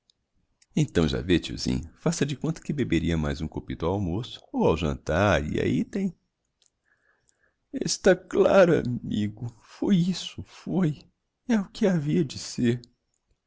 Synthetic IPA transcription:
ẽt̪ɐ̃w̃ʒa̰vet͡ʃḭzḭ̃ɲɐfasɐd͡ʒɪkõnt̪ɐ̥kɪbebeɾiɐmajzũkopit̪ʊawmosʊ̥owawʒɐ̰̃nt̪aɾḭa̰it̪ẽj̃ | ɪ̰st̪aklaɾʊa̰miɡʊ | fojisʊfoj | ɛʊkɪaviɐd͡ʒɪseɾ

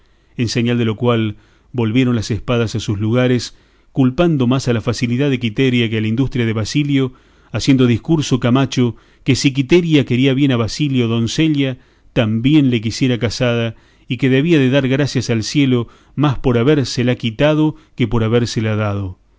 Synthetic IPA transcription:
enseɲald̪elo̞kwal | bo̞lβje̞ɾo̞nlasespað̞asasusluɣ̞aɾes | kulpand̪o̞masalafasiliðaðek̬it̪eɾjak̬ealaind̪ust̪ɾjað̞eβasiljo̞ | asjend̪oðihkuɾsokamat͡ʃo | kesik̬it̪eɾjakeɾiaβje̞naβasiljo̞ðo̞nseʎja | t̪ambje̞nle̞k̬isje̞ɾakasað̞a | ike̞ðe̞β̞iaðeðaɾɣɾasjasalsjelo̞ | maspo̞ɾaβeɾselakit̪að̞okepo̞ɾaβeɾselaðað̞o̞

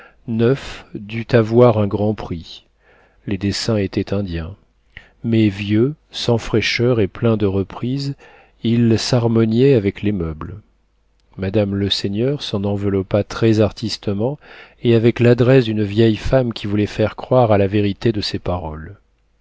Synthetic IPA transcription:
nœfd̪yt̪avwaʁɛ̃ɡʁɑ̃pχi | led̪esɛ̃et̪ɛt̪ɛ̃d̪jɛ̃ | mɛvjø | sɑ̃fχɛʃœʁeplɛ̃d̪əʁəpχiz | ilsaʁmɔnjɛavɛklemœbl | mad̪amləsenœʁsɑ̃nɑ̃vəlɔpat̪χɛzaʁt̪ist̪əmɑ̃eavɛklad̪ʁɛsd̪ynəvjɛjfamkʲivulɛfɛʁkχwaʁalaveʁit̪ed̪əsepaʁɔl

